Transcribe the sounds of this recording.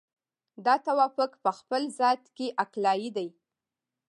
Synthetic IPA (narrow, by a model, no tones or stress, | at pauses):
d̪ɑt̪awɑfəkpəxpəlzɑt̪keʔaklɑjid̪aj